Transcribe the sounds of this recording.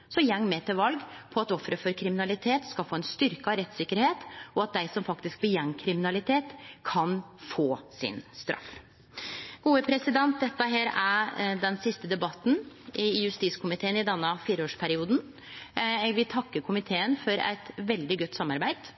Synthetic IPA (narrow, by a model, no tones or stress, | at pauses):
sɔjɛŋːmɛt̪ʰɪlʋɑlɡpʰɔɑt̪ɔfɾəfɔɾkʰɾɪmɪnɑlɪt̪ʰeːt̪skɑlfoːɛnst̪ʏɾkəɑʋɾɛt̪ːsɪkːəɾheːt̪ɔɑt̪̚d̪æɪsɔmfɑkt̪ɪsk̚bəjɛŋːkʰɾɪmɪnɑlɪt̪ʰeːt̪kʰɑnfoːsɪ̰nst̪ɾʔɑ̰f | ɡ̥uːəpʰɾɛsɪd̪ɛnt̪̚d̪ɛt̪ːəɦæːɾæd̪ɛnsɪst̪əd̪ɛbɑt̪ːn̩ | ʔɪjʉst̪iːskʰʊmɪt̪ʰeːənɪd̪ɛnːəfiːɾəoːʂpʰæɾɪuːd̪n̩ | ɛɡʋɪlt̪ʰɑkːəkʰʊmɪt̪ʰeːənfɔɾæ̰ɪt̪ʋɛld̪ɪɡɔt̪ːsɑmːɑɾbæɪd̪̥